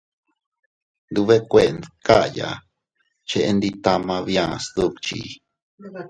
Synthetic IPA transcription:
nd̪u˧βe˦kʷe˦˧nka˦˨ja̰˨ | t͡ʃe˧ʔe˦˧nd̪i˧t̪a˧mã˧βjã˦˧st̪u˦˧kt͡ʃḭ˨˧

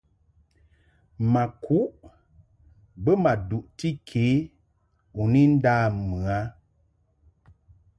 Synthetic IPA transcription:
ma˨kʰu˦ʔ | bə˦ma˨du˨ʔti˦kʰe˨˦ | u˨ni˦n̩˦daː˦mɨ˨a˦

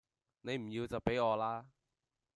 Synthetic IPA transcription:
ne˨˧jm̩˨˩jiː˧wt͡sɐ˨wpe˨˥jɔː˨˧laː˥

